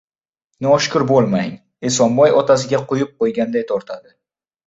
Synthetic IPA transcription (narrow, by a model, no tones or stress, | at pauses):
nɪɒʃkʰʊɾbolˠmaŋ | esɒmbɒjɒt̪ʰas̬ɪɡʲaqʊjɪp̚qojɡʲand̪ajt̪ʰɒɾt̪ʰad̪ɪ